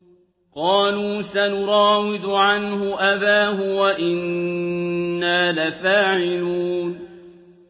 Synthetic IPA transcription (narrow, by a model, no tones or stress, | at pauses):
qɑːluːsanʊɾˤɑːwɪd̪ʊʕanhʊʔabaːɦʊwaʔɪnː | aːlafaːʕɪluːn